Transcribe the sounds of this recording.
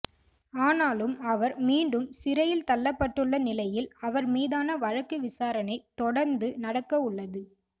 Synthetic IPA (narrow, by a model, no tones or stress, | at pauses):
aːnaːlɯmɐʋɐɾmiːɳɖɯmsɪɾɐjɪlt̪ɐlːɐpːɐʈːɯɭːɐnɪlɐjɪlɐʋɐɾmiːðaːnɐʋɐɻɐkːɯʋɪsaːɾɐnɐɪt̪ɔɽɐɾnd̪ɯnɐɽɐkːɐʊɭːɐðɯ